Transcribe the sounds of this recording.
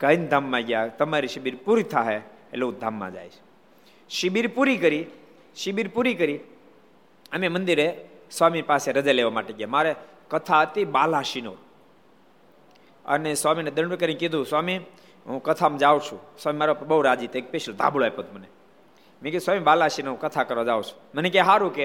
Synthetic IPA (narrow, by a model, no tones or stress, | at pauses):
kənd̪ʱamːãɡjat̪əmaɾiʃibiɾpuɾit̪ʰaɦeḛlod̪ʱamːã̰d͡ʒa̰jt͡ʃʰ | ʃibiɾpuɾikəɾi | ʃɪbiɾpuɾikəɾi | əmemənd̪iɾesʋamipaːseɾəd͡ʒaleʋamaːʈeɡjamaɾe | kət̪ʰaət̪ibalãʃino̰ɾ | ə̰neswamined̪əɳʋəkəɾinkid̪ʱũswami | ɦũkət̪ʰamd͡ʒaʋt͡ʃʰũsamimaːɾopbəuɾad͡ʒit̪ekpeʃəld̪ʱã̰ːbloepət̪ʰməne | mẽkid̪usamibalãʃinoɾkət̪ʰakəɾʋad͡ʒaʋt͡ʃʰu̥ | mənekeɦaɾuke